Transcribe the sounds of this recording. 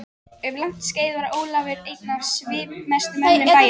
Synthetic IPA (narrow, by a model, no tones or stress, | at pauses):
ʏvlan̥t̪sceːjðvaɾaʔoːwlavɪɾejt̪navsvɪːmɛst̪ʏmɛnːʏpaːj